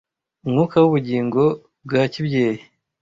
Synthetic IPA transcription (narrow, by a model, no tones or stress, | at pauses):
umŋuːkawuβuɟiːŋɡo̞ | b̚ɡacibjeːji